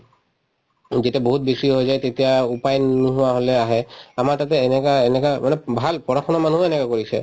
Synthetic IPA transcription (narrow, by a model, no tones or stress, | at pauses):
zetiaboɦut̚besiɦojzajtetijaupajnːuɦʊwaɦolɛaɦɛamaɹtatɛːnɛkaenɛkamanɛbʱalpɔɹaxʰɔnamanuɦɛnɛkakoɹisɛ̰